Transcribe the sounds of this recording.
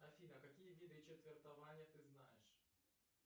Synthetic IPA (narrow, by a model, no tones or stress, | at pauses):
ɐfʲinɐkɐkʲijəvʲid̪ɨt͡ɕet̪vʲɪrt̪ɐvanʲɪjət̪ɨzna̰jɪ̰ʂ